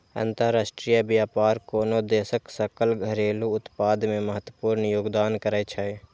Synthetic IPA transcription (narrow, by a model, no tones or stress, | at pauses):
ə̰̃nt̪əɾaːsʈɾijabjaːpaːɾkoːnod̪eːsəksəkəlɡʱəɾeːluʊt̪paːd̪mẽməɦət̪wəpuːɾnjoːɡd̪aːnkəɾəjt͡ʃʰəe